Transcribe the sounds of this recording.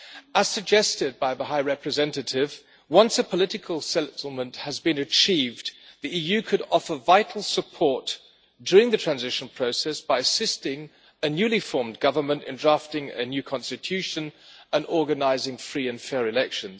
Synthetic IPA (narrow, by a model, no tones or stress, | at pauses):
əz̥sɨɡ̚d͡ʒɛstɪd̚baɪðəɦaɪɹɛpɹɨzɛ̃ntɨtɪv | wʌ̃nsəpʰəlɪɾɨkʰəl̩ˠsɛtl̩ˠmə̃nʔhɨzbɨ̃nɨt͡ʃʰivðiijʉkʰɨɾɑfə˞vaɪɾʰˡl̩ˠsəpʰɔɹt | d̥ʊɹɪ̃ŋðɨtʰɹ̥æ̃nzɪʃɨ̃n̩pʰɹ̥oʊsɛsb̥aɪɨsɪstɪ̃ŋ | ɨnjʉlifɔɹmɡʌvə˞mə̃ntɨ̰̃ndɹæftɪ̃ŋɨ̰njʉkʰɑ̃nstɨtʰʉʃɨ̃nə̃nɔɹɡɨnaɪzɪ̃ŋfɹiɨ̃nfɛɹɨlɛkʃɨ̃n